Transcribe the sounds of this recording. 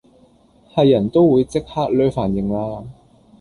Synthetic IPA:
hɐ˨jːɐ˨˩nt̪o˥wwuː˨˧jt͡sɪ˥k̚haː˥k̚lœː˥faː˨˩njɪ˨˩ŋlaː˥

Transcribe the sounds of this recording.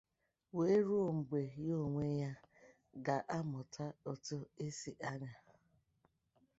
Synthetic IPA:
we˦ɾu˦o˨ŋ͡m̩˨ɡ͡be˨jo˦˨ŋʷe˦ja˦ | ɡa˨ʔa˦mʊ˨tʰa˦o˨tʊ˦e˦si˨ʔa˦ɲa˨

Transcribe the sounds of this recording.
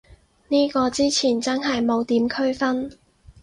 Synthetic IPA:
niː˥kɔː˧t͡siː˥t͡sʰiː˨˩nt͡sɐ˥nɦɐ˨jmo˨˧wt̪iː˨˥mkʰɵ˥ɥfɐ˥n

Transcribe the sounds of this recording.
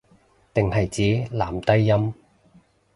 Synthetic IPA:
t̪ɪ˨ŋɦɐ˨jt͡siː˨˥laː˨˩mt̪ɐ˥jːɐ˥m

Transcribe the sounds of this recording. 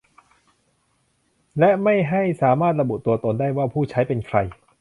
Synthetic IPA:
lɛ˦˥ʔma˥˩jɦa˥˩jsaː˩˦maː˥˩t̪̚ɾa˧bu˨˩t̪u˧ɐt̪o˧ndaː˥˩jwaː˥˩pʰuː˥˩t͡ɕʰa˦˥jpe˧nkʰɾa˧j

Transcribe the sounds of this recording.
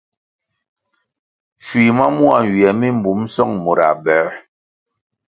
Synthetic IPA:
fwi˨ma˦mu˦a˨wi˨ɛ˨mi˦m˦bu˨˦msɔ˦˨ŋmo˨ɾa̰˨bɛ˨˦

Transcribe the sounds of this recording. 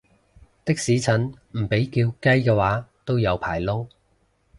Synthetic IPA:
t̪ɪ˥k̚siː˨˥t͡sʰɐ˨˥nm̩˨˩pe˨˥jkiː˧wkɐ˥jkɛː˧waː˨˥t̪o˥wjɐ˨˧wpʰaː˨˩jlʊ˥ŋ

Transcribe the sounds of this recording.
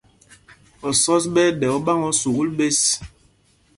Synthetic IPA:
ɔ˨sɔ˦s̬ɓɛ˦ɗɛ˨ɔ˦ɓa˦ŋɔ˦su˨ɣu˦lbe˦s

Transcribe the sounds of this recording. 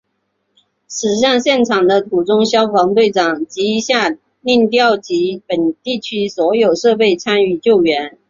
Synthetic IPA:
ʂɻ̩˨˩ɕɑ˥˧ŋɕjɛ˥˩nʈ͡ʂʰɑ˨˩ŋd̪ə˦t̪ʰu˨˩ʈ͡ʂʊ˥ŋɕjɑ˥ʊfɑ˧˥ŋt̪we˥˩ɪʈ͡ʂɑ˨˩ŋt͡ɕi˧˥˧ɕja˥˧ | li˥˧ŋt̪jɑ˥˩ʊt͡ɕi˧˥pə˨˩nt̪i˥˩t͡ɕʰy˥swɔ˧˥jo˨˩ʊʂɤ˥˧pe˥˩ɪt͡sʰa˥ny˥˧t͡ɕjo˥˩ʊɥɛ˧˥n

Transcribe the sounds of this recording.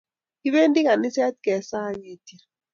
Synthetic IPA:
ki˦βe˦ndi˦ka˨nɪ˦sɛ˦t̪̚kɛ˨sa˦ŋe˨ti˨ɾ

